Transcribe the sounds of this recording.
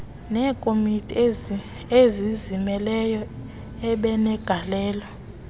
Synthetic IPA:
nɛːkʼomitʼi | ezizimɛlɛjɔ | ɛɓɛnɛɡ̥ʱalɛːlɔ

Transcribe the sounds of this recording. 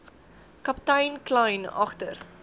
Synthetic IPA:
kɐptɐjnklɐjnɐ̰χtər

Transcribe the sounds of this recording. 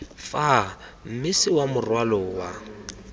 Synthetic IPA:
fam̩mɪsɪwamʊrwalɔwa

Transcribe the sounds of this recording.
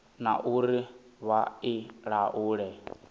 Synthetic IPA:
na̰ʔuɾiβaiɺaʔuːɺɛ

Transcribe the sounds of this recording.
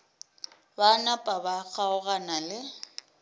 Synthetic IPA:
banapʼabaɣʰʼaʊɣanalɪ

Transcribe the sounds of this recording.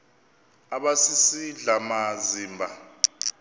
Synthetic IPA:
aɓasisiɮamaziːmbʱa

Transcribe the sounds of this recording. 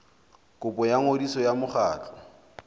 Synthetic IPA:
kʊpʼɔjaŋodisɔjamʊχaːt͡ɬʼɔ̥

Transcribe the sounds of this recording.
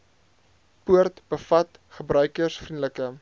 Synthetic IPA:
puərtb̥əfɐt | χəbrœɥkərsfrindləkə

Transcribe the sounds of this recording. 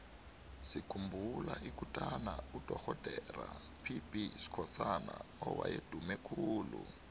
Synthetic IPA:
sikʰumbʱulaʔikutʼanaud̥ʱɔxɔd̥ʱɛrapʰipʼisi̥kʰɔsanaɔwa̰jed̥ʱumɛkʰuːlu

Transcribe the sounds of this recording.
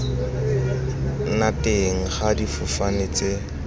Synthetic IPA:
natʼeŋ̩χadifʊfanet͡se

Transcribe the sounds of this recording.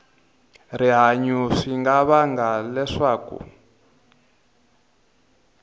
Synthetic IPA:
riɦaɲuʂiŋɡaβaŋɡalɛʂaːkṵ

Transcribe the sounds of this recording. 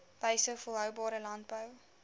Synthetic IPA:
b̥əjsəfəlˠɦœwbɑːɾəlɐntbəw

